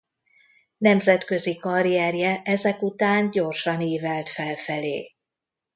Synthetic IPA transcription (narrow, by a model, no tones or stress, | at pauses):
nɛmzɛt̪kø̞zikɒɾiɛrjɛʔɛzɛkut̪aːɲɟo̞rʃɒniːvɛlt̪fɛlfɛlḛː